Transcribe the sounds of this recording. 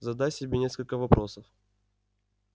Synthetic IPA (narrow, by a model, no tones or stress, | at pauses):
zɐd̪atʲsʲɪbʲenʲe̞skəlʲkəvɐpɾʔosəf